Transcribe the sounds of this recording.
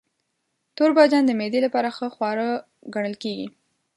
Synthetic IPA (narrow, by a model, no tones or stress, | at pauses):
t̪oɾbɑd͡ʒɑnd̪əmed̪elapɑɾaxəxwɑɾə | ɡaɳ̃əlkeɡḭ